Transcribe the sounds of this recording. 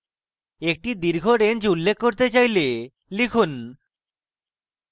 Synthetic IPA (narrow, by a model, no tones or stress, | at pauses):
ek̚ʈid̪iɾɡʱoɾend͡ʑulːekʰːoɾt̪et͡ɕajle | likʰun